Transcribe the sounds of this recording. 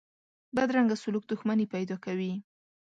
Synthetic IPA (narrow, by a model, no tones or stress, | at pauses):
bad̪ɾaŋɡasʊluk̚d̪ʊxmanepajd̪ɑkawi